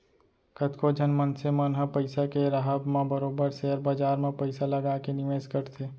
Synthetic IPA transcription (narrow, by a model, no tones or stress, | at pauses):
kət̪kʰod͡ʒʱənmənsemənɦəpəɪsakeɾaɦəbmẽbəɾoːbəɾsɛːəɾbaːd͡ʒaːɾmẽpəɪsalɐɡaːkenɪʋeːskəɾt̪ʰeː